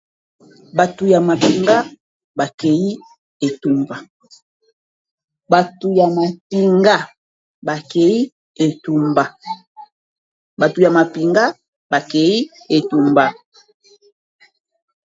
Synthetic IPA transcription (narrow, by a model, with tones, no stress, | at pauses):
ba˨tu˨ja˨ma˨pi˨ŋɡa˦ | ba˨ke˨ji˦ | e˨tu˨mba˨ | ba˨tu˨ja˨ma˨pi˨ŋɡa˦ | ba˨ke˨i˦ | e˨tu˨mba˨ | ba˨tu˨ja˨ma˨pi˨ŋɡa˦ | ba˨ke˨i˦ | e˨tu˨mba˦